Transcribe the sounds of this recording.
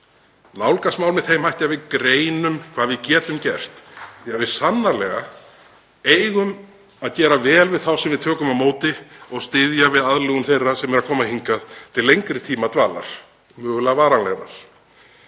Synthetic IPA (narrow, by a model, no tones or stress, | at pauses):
nawlkasmawlmɪðθejmhajht̪avɪðkɾeːjnʏmkʰv̥aːðvɪðcɛːt̪ʏmcɛr̥t̪θiavɪðsanːaɾlɛɣa | ejɣʏm | aðcɛːɾavɛːlvɪðθawsɛmvɪðt̪ʰœːkʏmawmoːwt̪ɪɔɣst̪ɪðjavɪðaðlɛɣʏmθejrːasɛmɛɾaðkʰɔːmahiŋkaðt̪ʰɪllːejŋkɾɪt̪ʰiːmat̪vaːla̰ɾ̥ | mœːɣʏlaɣvaːɾanlɛɣɾa̰ɾ̥